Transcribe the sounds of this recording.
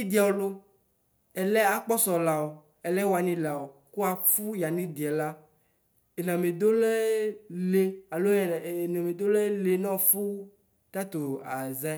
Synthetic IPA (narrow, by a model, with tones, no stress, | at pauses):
i˦d̪i˨˦a˨wo˨lo˦ | ɛ˨lɛ˦a˨k͡pɔ˦sɔ˨la˨wo˨ | ɛ˨lɛ˦wa˨nĩ˦la˨o˨ku˦a˨fu˦ja˨nĩ˦d̪i˨ɛ˨la˦ | e˨nã˨me˨d̪o˦lɛ˦le˦a˨lo˦˨e˨nã˨me˨d̪o˦lɛ˦le˨nɔ̃˦fu˦ | t̪a˦t̪o˨a˨za˦